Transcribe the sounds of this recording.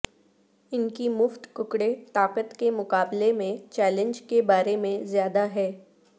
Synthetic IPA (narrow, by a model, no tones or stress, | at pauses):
ɪnkimʊft̪kʊkɽet̪aːqət̪kemʊkaːblemẽt͡ʃɛːlə̃ɲd͡ʒkebaːɾemẽzjaːd̪aɦɛː